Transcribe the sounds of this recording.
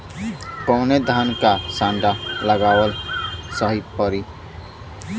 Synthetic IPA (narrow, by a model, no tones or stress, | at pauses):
kɔːned̪ʱaːnkasãːɳɖaləɡaːwəlsəɦipəɾi